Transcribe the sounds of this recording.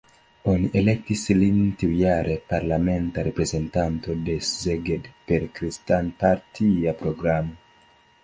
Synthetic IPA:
o̞niʔe̞le̞k̚tislintiujaɾʔe̞paɾlame̞ntaɾe̞pɾe̞ze̞ntanto̞de̞zeɡedpe̞ɾkɾistanpaɾtʰiapɾo̞ɡɾamo

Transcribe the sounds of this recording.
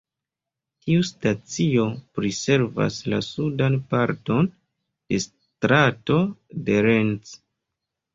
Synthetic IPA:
tiustat͡sio̞pɾise̞ɾva̰sla̰sudanpaɾto̞n | d̥e̞s | tɾato̞de̞ɾent͡s

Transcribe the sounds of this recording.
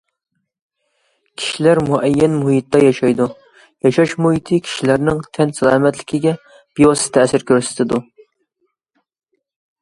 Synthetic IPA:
kʲʰi̥ʃilæɾmuʔɛjːɛnmuhit̪ːɑjɑʃɑjd̪u | jɑʃɑʃmuɦit̪ʰɨkʲʰi̥ʃilæɾnɪŋt̪ʰɛnsælæːmɛt̪lɪkʲiɡʲɛ | b̥ijɑsɨ̥t̪ʰɛsɪɾkʲʰøɾsɪ̥t̪ʰɪd̪u

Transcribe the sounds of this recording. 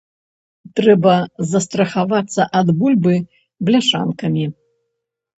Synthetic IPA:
t̪ɾɛbɐzɐst̪ɾɐxavat̪sːɐʔad̪bulʲbɨ | blʲaʂa̰nkɐmʲi

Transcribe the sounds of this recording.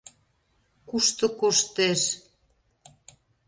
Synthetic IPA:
kuʃt̪ɤ̆koʃt̪eʃ

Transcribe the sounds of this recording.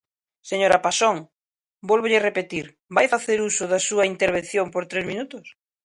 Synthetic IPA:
seɲoɾɐpasoŋ | bɔlβoʎɪrepet̪iɾ | bajfaθeɾusʊðɐsuɐint̪eɾβen̟θjompoɾt̪ɾezmĩnut̪ʊs

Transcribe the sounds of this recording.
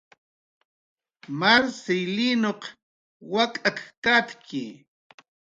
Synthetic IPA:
maɾsɪjlinoq | wakʼakkat̪kʰɪ

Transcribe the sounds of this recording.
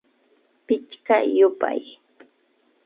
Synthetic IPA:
pɪt͡ʃkajʊpa̰j

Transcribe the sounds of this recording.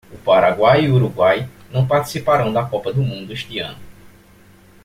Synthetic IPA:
ʊpaɾaɡwajiuɾuɡwajnɐ̃w̃paɾt̪i̥sipaɾɐ̃w̃d̪ɐkɔpɐd̪ʊmũnd̪ʊeʃt̪iɐ̰̃nʊ

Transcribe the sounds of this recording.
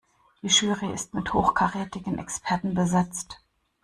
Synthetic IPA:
d̥iːʃyːʁiɪ̰stmɪthoːxkʰaʁeːtɪɡən̩ʔɛ̰kspʰɛɐtn̩bəzɛt͡st

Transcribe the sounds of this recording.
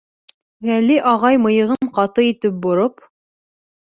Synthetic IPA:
væliʔɑʁɑjmɤ̆jɤ̆ʁɤɴqɑt̪ɤit̪ɘp̚bŏɾop

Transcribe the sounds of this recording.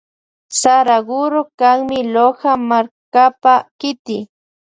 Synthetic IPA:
saɾaɢʊɾokaŋmɪlohamaɾkapakɪt̪ɪ

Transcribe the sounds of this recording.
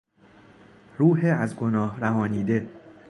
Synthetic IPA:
ɾuːɦeæzɡo̞nɒːhɾæɦɒːniːd̪e̞

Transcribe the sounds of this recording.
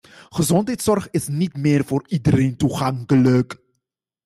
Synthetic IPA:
χəzɔntɦɛjtsɔrχɪsnitmɪːrvoːridəɾentuχɑŋkələk

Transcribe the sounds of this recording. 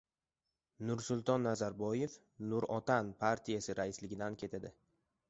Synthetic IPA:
nʊɾsʊlˠt̪ʰɒnːazaɾbɒje̞f | nʊɾɒt̪ʰanpʰaɾt̪ʰijasɪɾaɪslɪɡʲɪd̪ankʲʰe̞t̪ʰad̪ɪ

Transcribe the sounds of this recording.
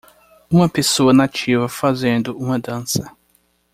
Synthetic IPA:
ũmɐpesoɐnat͡ʃivɐfazẽnd̪ʊũmɐd̪ɐ̃sɐ

